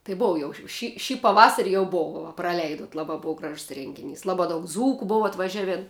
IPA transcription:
tɐɪ ˈboːʋɐ jɛʊ ʃ ʃʲɪ ˈʃʲiː pɐˈʋɑːsɐrʲɪ jɛʊ ˈboːʋɐ ʋɐ prɐˈlʲɛɪdoːt ˈlˠɑːbɐ ˈboːʋɐ ˈɡrɐʃs ˈrʲɛŋʲɡʲɪˌnʲiːs ˈlˠɑːbɐ dɐʊk ˈd͡zuːkʊ ˈboːʋɐ ɐtʋɐˈʒʲæːʋʲeːn

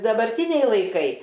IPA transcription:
dɐbɐrʲˈtʲiːnʲɛɪ lˠɐɪˈkɐɪ

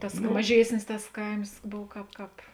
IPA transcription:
ˈtɐs mɐˈʒʲiɛsʲnʲɪs tɐs ˈkɐɪms ˈboːw ˈkɑːp ˈkɑːp

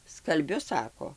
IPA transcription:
skɐlʲˈbʲʊ ˈsɑːkoː

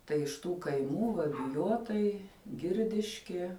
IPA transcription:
tɐɪ ɪʃ ˈtuː kɐɪˈmuː ʋɐ bʲɪˈjoːtɐɪ ˈɡʲɪrʲdʲɪʃʲkʲiɛ

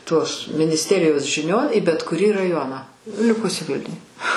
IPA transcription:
toːs mʲɪnʲɪsʲˈtʲæːrʲɪjoːs ʒʲɪˈnʲoːn iː bʲɛt kʊˈrʲiː rɐˈjoːnɑː ˈlʲɪkʊsʲɪ ˈʋʲɪlʲnʲʊj

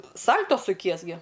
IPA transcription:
ˈsɐlʲtoː sʊˈkʲiɛs ɡʲɪ

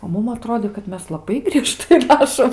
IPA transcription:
oː ˈmʊm ɐˈtroːdʲeː kɐt ˈmʲɛs lˠɐˈbɐɪ ɡrʲiɛˈʃtɐɪ ˈrɑːʃoːm

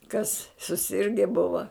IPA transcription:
kɐs sʊˈsʲɪrʲɡʲɛ ˈbʊʋɐ

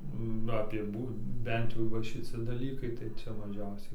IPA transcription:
ˈnʊ ɐpʲiɛ ˈbuː ˈbʲɛnt jɛʊ ʋɐ ʃʲɪˈt͡sʲɪ dɐˈlʲiːkɐɪ tɐɪ ˈt͡sʲɛ mɐˈʒʲɛʊsʲɛɪ

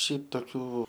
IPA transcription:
ˈʃʲɛɪp toːˈkʲuː

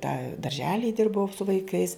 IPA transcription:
tɑː dɐrʲʒʲɛlʲɪj ˈdʲɪrbɐʊ sʊ ʋɐɪˈkɐɪs

